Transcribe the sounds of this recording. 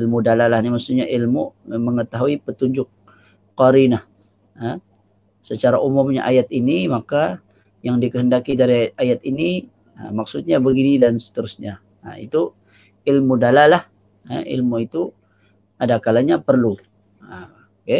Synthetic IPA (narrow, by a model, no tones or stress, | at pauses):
ilmudalalahnimaksuɲaʔilmuməŋət̪aɦuipət̪uɲd͡ʒʊk̚ː | aɾinah | ə | sət͡ʃaɾaʔumʊmɲa̰ʔajat̪inimaka | jaŋdikəɦəndakidaɾiajat̪ini | ə̰mak̚sʊt̪̚ɲabəɡinidansə̥t̪əɾʊsɲa | ə̰ḭt̪u | ilmudalalah | ə̰ḭlmuit̪u | adakalaɲapərlu | ə | ke